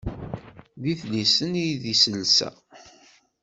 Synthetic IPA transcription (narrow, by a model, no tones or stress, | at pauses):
ðiθlisənijðisəlsæ̰